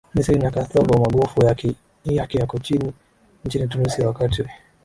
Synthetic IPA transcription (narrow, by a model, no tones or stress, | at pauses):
nisiinakaθavamaɠɔfuja | jakɛjakɔt͡ʃini | ɲ̩t͡ʃinit̬unusiawakatiwɛ